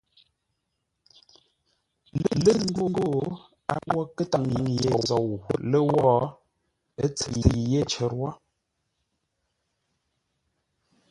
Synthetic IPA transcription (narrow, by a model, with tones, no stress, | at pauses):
lə˦lə˦ŋ̩˦ɡo˦ŋ˦ɡo˦˨ | a̰˨˦wɔ˦kə˦ta˨ŋjŋje˨zɔ˨wu˨lə˦wɔ˦ | e˦t͡sə˨je˦˨t͡ʃe˨ɾwɔ˦